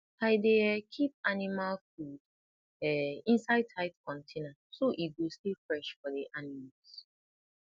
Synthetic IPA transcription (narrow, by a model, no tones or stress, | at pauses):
tʰaɪdeɛkʰip̚animalfud | ɛĩnsaɪd̚tʰaɪtkʰɔ̃ntʰenã | soʔit̚ɡostifɹɛʃfɔdiʔanimals